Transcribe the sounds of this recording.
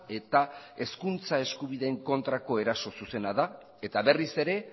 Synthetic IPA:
e̞t̪ae̞skunt͡sae̞skuβ̞iðe̞ːŋko̞nt̪ɾako̞e̞ɾaso̞suse̞naða | e̞t̪aβe̞rise̞ɾe̞

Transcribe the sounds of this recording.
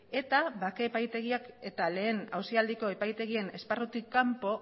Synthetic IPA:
e̞t̪aβakeːpajt̪e̞ɣiake̞t̪ale̞ːnawsiald̪iko̞e̞pajt̪e̞ɣie̞ne̞sparut̪ikːampo̞

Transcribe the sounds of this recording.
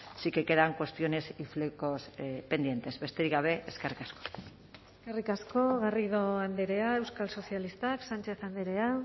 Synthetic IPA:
sike̞ke̞ðaŋkwe̞st̪jo̞ne̞siflekospe̞nd̪je̞nt̪e̞zβe̞st̪eɾiɣaβ̞e̞ʔeskerikasko̥ | eskerikasko̞ɣariðo̞and̪eɾe̞aewskalso̞sialist̪aksant͡ʃe̞θand̪eɾea

